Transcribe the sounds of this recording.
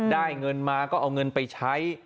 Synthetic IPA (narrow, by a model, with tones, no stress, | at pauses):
daː˥˩jŋɤ˧nmaː˧kɔː˥˩ʔa˧wŋɤ˧npa˧jt͡ɕʰa˦˥j